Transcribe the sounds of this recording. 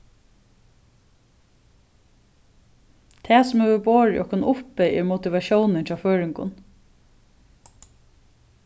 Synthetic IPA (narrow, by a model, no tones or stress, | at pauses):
t̪ʰeːsʊmøʋəboːɹɪ̰ʔɔ̰kʰʊnʔʊpɛʔeːɹmʊt̪ɪʋɑʃuːnənfʰɾɑːføːɹɪŋkʊ̰n